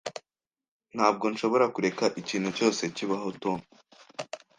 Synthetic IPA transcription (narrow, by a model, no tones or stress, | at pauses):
n̥haːb̚ɡo̞nʃo̞βo̞ɾakuɾe̞kaʔiciːnhuco̞ːse̞ciβaɦo̞toːn